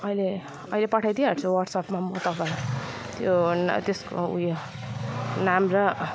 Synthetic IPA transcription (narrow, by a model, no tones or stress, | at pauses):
ʌile | ʌilepʌʈʰajd̪iɦaʈt͡sʰuwʌrɖsʌpmamʌt̪ʌpʌɾʌ | t̪jont̪esko̰ṵjo | namrʌ